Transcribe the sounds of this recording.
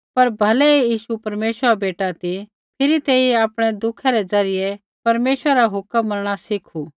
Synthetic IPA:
pɐɾbʱɐlɛjiːʃupɐɾmeːʃəɾabeːʈat̪i | pʰɪɾit̪eːiaːpɽ̃ɛd̪ʊkʰaɾɛd͡zɐɾɪjɛ | pɐɾmeːʃwəɾɾaɦʊkəmːɐɾɽ̃asɪkʰu

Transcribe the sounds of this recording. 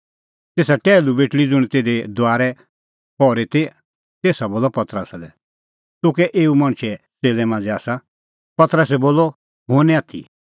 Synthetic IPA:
t̪eːsaʈɛːlubeːʈlid͡zʊɽ̃it̪eːd̪ed̪ʊaːɾɛ | pɔːɾet̪e | t̪eːsaboːlɔpɐt̪ɾəslɛ | t̪ʊ̃kɛʔeːumãɳ̃t͡ʃʰɛ | seːlɛmãːnd͡ziaːsa | pɐt̪ɾəsɛboːlɔ | ɦõːnɛ̃aːt̪ʰḭ

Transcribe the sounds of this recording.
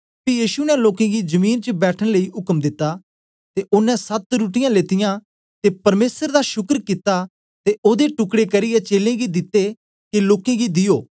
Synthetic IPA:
pijiːʃunɛ̃loːkẽɡid͡ʒɐmiːnt͡ʃəbɛːʈʰəɽ̃ləiɦʊkəmd̪ɪt̪ːa | t̪eʔʊnɛ̃sɐt̪ɾuːʈɪjãleːt̪ɪjã | t̪epɐɾmeːsəɾd̪aʃʊkəɾkɪt̪ːa | t̪eʔoːd̪eʈʊkɽekɐɾɪjɛt͡ʃeːlẽɡid̪ɪt̪ːe | kiloːkẽɡid̪ɪjoː

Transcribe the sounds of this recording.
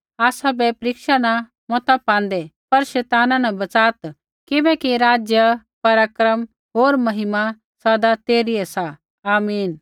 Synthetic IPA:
aːsabɛpɾɪkʃanã | mɔt̪apãːn̆d̪ɛpɐɾʃɛːt̪aːnãnɐbɐt͡saːt̪ | kɪbɛkiɾaːd͡ʒjə | pɐɾaːkɾəm | ɦoːɾmɐɦɪma | sɐd̪at̪eːɾiɛsa | aːmiːn

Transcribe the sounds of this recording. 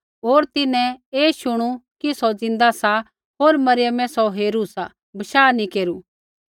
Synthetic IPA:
ɦoːɾt̪ɪnɛ̃eːʃʊɽ̃ukisɔd͡zɪ̃nd̪asa | ɦoːɾmɐɾɪjəmɛ̃sɔɦeːɾusa | bɐʃaːnĩkeːɾu

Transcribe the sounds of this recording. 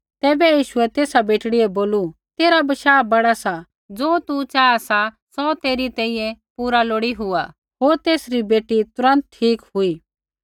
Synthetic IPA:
t̪ɛːbɛjiːʃʊɛt̪eːsabeːʈɽiɛboːlu | t̪eːɾabɐʃaːbɐɽasa | d͡zoːt̪ut͡ʃaːasa | sɔt̪eːɾit̪ɛ̃ːĩːɛ̃puːɾaloːɽiɦʊa | ɦoːɾt̪eːsɾibeːʈit̪ʊɾə̃nt̪̚ʈʰiːkɦʊiː

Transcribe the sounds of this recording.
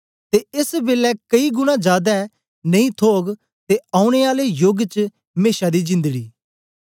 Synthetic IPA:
t̪eɪsbeːlɛkəiɡʊñãd͡ʒaːd̪a | nɐĩt̪ʰoːɡ | t̪eaːʊ̃ɽ̃eːaːlejoɡt͡ʃ | meːʃad̪iːd͡ʒɪ̃nd̪əɡiː

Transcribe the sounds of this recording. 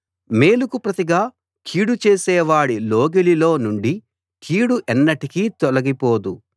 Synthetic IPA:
meːlukupɾɐt̪iɡaː | kʰiːɽut͡ʃe̞ːsɛːʋaːɽiloːɡelilo̞ːnuɳɖi | kʰiːɽuʔɛnːɐʈikiːt̪ɔlɐɡipoːd̪u

